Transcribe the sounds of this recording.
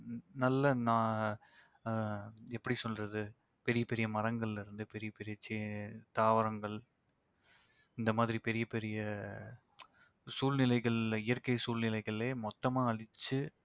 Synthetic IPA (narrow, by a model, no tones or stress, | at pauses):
nɐlːɐnãː | ɛpːɐɽisɔlrɐðɯ | pɛɾɪjɐpɛɾɪjɐmɐɾɐŋɡɐɭɪlɪɾɯnd̪ɯpɛɾɪjɐpɛɾɪjɐt͡ʃɪt̪aːʋɐɾɐŋɡɐɭ | ɪnd̪ɐmaːðɪɾipɛɾɪjɐpɛɾɪjɐ | suːlnɪlɐɪɣɐɭɪjɐɾkɐɪsuːlnɪlɐɪɣɐɭleːmɔt̪ːɐmaːɐɭɪt͡ʃːɯ